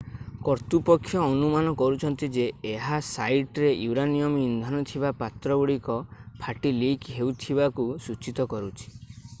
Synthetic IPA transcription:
kɔɾt̪upɔkʰːjɔːnumanɔkɔɾut͡ʃʰɔnt̪id͡ʒeːɦasajʈɾejuɾanijɔmind̪ʱanɔt̪ʰibapat̪ɾɔɡuɽikɔpʰaʈilikɦeut̪ʰibakusut͡ʃit̪ɔkɔɾut͡ʃʰi̥

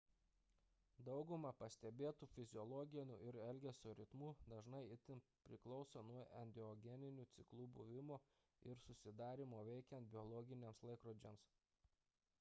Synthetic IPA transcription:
d̪ɒʊɡʊmɐpɐsʲt̪ʲɛbʲeːt̪uːfʲɪzʲɪɔlˠɔɡʲɪnʲuːʔɪɾɛlʲɡʲɛsʲuːɾʲɪt̪muːd̪ɐʒnɐɪɪt̪ʲɪmpʲɾʲɪklˠɒʊsonuɔʔɛnʲd̪ʲɪɔɡʲɛnʲɪnʲuːt̪sʲɪklˠuːbʊʋʲɪmoː | ɪɾsʊsʲɪd̪ɑːɾʲɪmoːʋʲɛɪkʲɛnt̪̚bʲɪɔlˠɔɡʲɪnʲeːmslˠɐɪkɾod͡ʒʲɛms

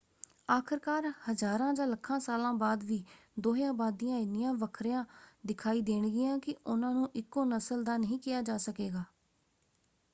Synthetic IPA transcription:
aːkʰəɾkaːɾhəzaːɾãːd͡ʒãːləkʰːãːsaːlãːbaːd̪ʋiː | d̪oːɦjãːbaːd̪ijãːɪnɪjãːʋəkʰɾjãːd̪ɪkʰaːiːd̪eːɳɡɪjãːkɪʔʊnãːnũːʔɪkːõːnəsəld̪aːnəɦĩːkɪjaːd͡ʒaːsəkeːɡaː

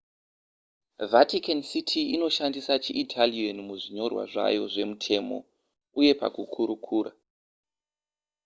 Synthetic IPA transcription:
vatikansitʰiino̞ʃandisat͡ʃiʔitʰalianmuʐiɲo̞rwa̰ʐa̰jo̞̰ʐe̞mutʰe̞ːmo̞̰ | uje̞pa̰kukʰuɾukʰuːra

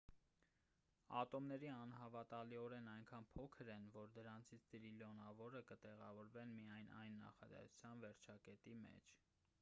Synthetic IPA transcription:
ɑ̰t̪ɔmnɛɾiɑnɦɑvɑt̪ɑliɔɾɛnɑjŋkʰɑnpʰɔkʰəɾɛnvɔɾd̪əɾɑnt͡sʰit͡sʰt̪ɾilɔnɑvɔɾəkət̪ɛʁɑvɔɾvɛnmijɑjnʔɑ̰jnːɑ̰χɑd̪ɛ̰su̥t͡sʰjɑnvɛɾt͡ʃʰɑkɛt̪imɛ̰t͡ʃʰ

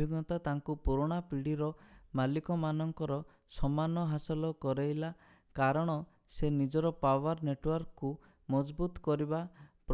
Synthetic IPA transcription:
iɡɔt̪at̪aŋkupuɾoɽ̃apiɽiɾɔmalikɔmanɔŋkɔɾɔ | sɔmanɔɦasɔlɔkɔɾejla | kaɾɔɽ̃ɔ | senid͡ʒɔɾɔpawaɾneʈwɔɾkːu | mɔd͡ʒbut̪ɔ̥kɔɾibapɾ

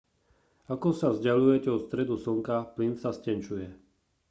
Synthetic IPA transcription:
akɔsavzɟalujɛcɛɔt̪st̪ɾɛd̪usɔŋkaplinsascɛnt͡ʃujɛ

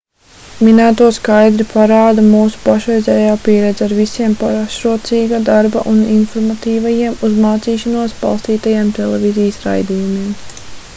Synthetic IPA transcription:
minæːt̪uɔskajd̪ɾipʰaɾaːd̪amuːsu̥paʃɾɛjzʲɛːjaːpiɛɾɛd̪zaɾvisiɛmpaɾʃɾuɔt̪siːɡad̪aɾba̰ʔuninfɔɾmat̪iːvajiɛmuzmaːt̪siːʃanuɔsba̰lˠst̪iːt̪ajeɛmt̪elˠɛvizijəsɾa̰jd̪iːjumiɛm

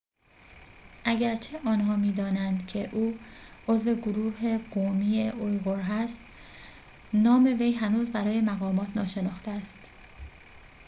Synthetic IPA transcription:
ʔæɟæɾt͡ʃʰeʔɒːnhɒːmiːd̪ɒːnænd̪cʰe̞ʔuːo̞zve̞ɡoɾuːhe̞ɡoːmiːeʔojɣoɾɦæst̪ | nɒːme̞vejɦænuːzbæɾɒːje̞mæɣɒːmɒːt̪ʰnɒːʃe̞nɒːxt̪eæst̪

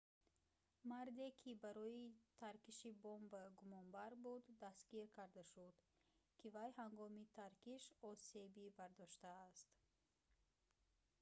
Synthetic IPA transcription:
maɾd̪ekʰibaɾɔit̪ʰaɾkiʃibɔmbaɡumɔnbaɾbud̪ːaskiɾkʰaɾd̪aʃud̪ | kʰivajhaŋɡɔmit̪ʰaɾkiʃɔse̞bibaɾd̪ɔʃt̪aːst̪

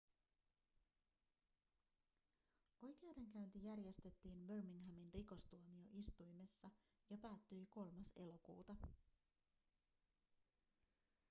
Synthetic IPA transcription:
o̞jk̟e̞wde̞ŋkæynt̪ijærjest̪e̞t̪ːiːnʋørmiŋɦæminriko̞st̪uomio̞ʔist̪ujme̞sːɑ | jɑpæːt̪ːyjko̞lmɑse̞lo̞kṵːt̪ɑ

